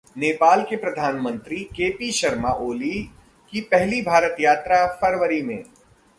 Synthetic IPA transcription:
neːpaːlkepɾɐd̪ʱaːnmə̃nt̪ɾikeːpiʃɐɾmaʔoːli | kipɛɦlibʱaːɾət̪jaːt̪ɾafɐɾʋəɾimḛ̃ː

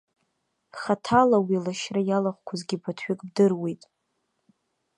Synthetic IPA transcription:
χatʰalawilaʃrajalaχʷkʷʰazɡʲipʰatʰɥᶣɪkʼbdɨrwejtʼ

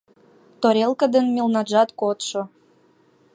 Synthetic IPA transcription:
t̪oɾelkəd̪ənmʲilnɑʒɑt̪kot̪ʃo

